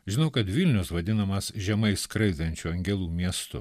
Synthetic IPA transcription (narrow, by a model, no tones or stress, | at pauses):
ʒʲɪnɐʊkɐt̪ʋʲɪlʲnʲʊsʋɐd̪ʲɪnɐmɐsʒʲɛmɐɪskɾɐɪd̪ɐnʲt͡ʃʲuɐŋʲɡʲɛlˠuːmʲiɛst̪ʊ̰